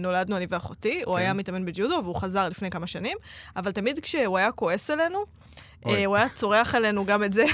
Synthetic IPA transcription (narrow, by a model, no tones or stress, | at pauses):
no̞lad̪nuaniveaχotiuajamit̪ame̞nbed͡ʒudoveuχazaʁlifne̞jkamaʃanimavaltamidkʃeuajako̞e̞sele̞nu | ʔeuajat͡so̞ʁeaχele̞nuɡametze